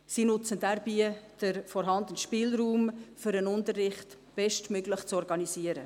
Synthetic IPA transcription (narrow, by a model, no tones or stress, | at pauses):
siːnʊt͡səndæɾb̥iːəd̥əɾfɔɾɦɑndənʃpɪːlɾuːmfʏɾənʊntərːɪχt | b̥ɛʃtmøɡləχt͡sɔɾɡɑniziəɾə